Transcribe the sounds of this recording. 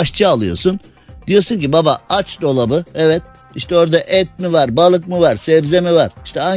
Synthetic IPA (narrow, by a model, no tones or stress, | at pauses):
aʃt͡ʃʰɯalˠɯjo̞̰sun | d̪̥ijo̞suɲcibabaat͡ʃd̪o̞lˠabɯɛvɛt̪̚ | iʃt̪ʰɛo̞ɾd̪aʔɛt̪̚mivaɾbalˠɯk̚mɯvaɾsɛvzemivaɾi̥ʃt̪ʰɛa